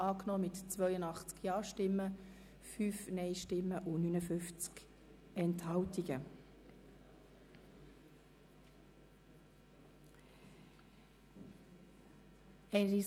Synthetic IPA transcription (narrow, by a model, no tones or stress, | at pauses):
ɑːknɔːmɪtt͡svœʏənɑχt͡skjɑːʃtɪmːə | fyːfnɛɪʃtɪmːəʔʊnynəfʏft͡sk | ɛnthɑltiɡ̥ə | ɛɪnɾi